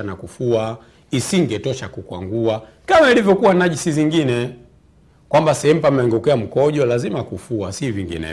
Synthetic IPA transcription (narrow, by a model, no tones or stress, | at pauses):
anakufua | isiŋɡɛtɔʃakukwa̰ŋɡua | kamailivjɔkuwanaʄisiziŋɡinɛ | kwambasɛhɛm̩pamɛŋɡukɛam̩kɔʄɔlazimakufuasiviŋɡḭnɛ̰